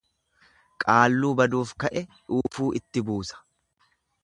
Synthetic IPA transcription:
kʼaːlːuːbɐd̪uːfkɐʔɛᶑuːfuːʔɪt̪ːɪbuːsɐ̥

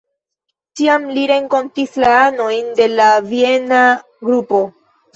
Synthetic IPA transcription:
tiamliɾe̞ŋko̞ntislaano̞jnde̞lavie̞na | ɡɾupo̞

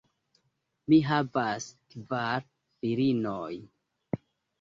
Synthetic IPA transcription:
miɦavaskvaɾ | fiɾinoj

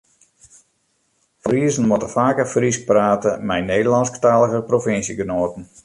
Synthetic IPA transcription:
friəzən̩mɔtəfaːkəfrispraːtəmɛjneːdəlˠɑnsktaːləɣəprofɪnsjəɡənoːtən̩

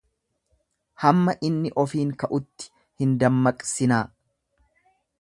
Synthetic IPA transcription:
hɐmːɐʔɪnːɪʔɔfiːŋkɐʔʊt̪ːɪ̥ | hɪnd̪ɐmːɐkʼsɪnaː

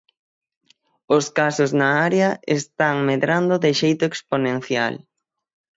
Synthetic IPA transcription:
ʊskasʊznɐaɾeɐest̪aŋmeðɾand̪ʊðɪʃejt̪ʊeksponẽn̟θja̰l

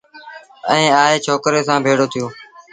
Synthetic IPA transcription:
ə̃ːaːɦeːt͡ʃʰoːkɾeːsãːbʱeːɽoːt̪ʰɪjoː

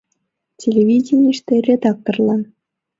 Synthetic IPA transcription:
tʲʰelʲevʲidʲenʲiʂt̪ʲerʲed̪ɑkːɤ̆rlˠɑn

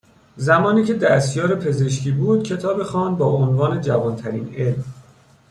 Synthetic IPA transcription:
zæmɒːniːcʰe̞d̪æst̪jɒːɾepʰe̞ze̞ʃ̬cʰiːbuːd̪̚cʰe̞t̪ʰɒːbexɒːnbɒːonvɒːne̞d͡ʒævɒːnt̪ʰæɾiːne̞lm

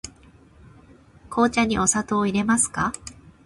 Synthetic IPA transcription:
kʰo̞ːt͡ɕaɲ̟iʔo̞sat̪o̞ːiɾe̞masɨ̥ka

